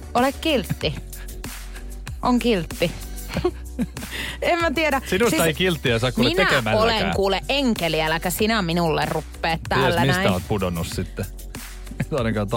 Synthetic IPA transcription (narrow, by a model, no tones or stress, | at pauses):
olekkilt̪ːi | ʔoŋkilt̪ːi | emmæt̪ieɾæsinust̪ɑeikilt̪ːiɑsɑːkuumlineæemæoleŋkuːleʔʔeŋkeliælækæsinæminulːerrupːeːt̪t̪æiːlːæinsæˑtiæo̰t̪̚pudonːussit̪ːe | et̪ɑˑneŋkɑˑt̪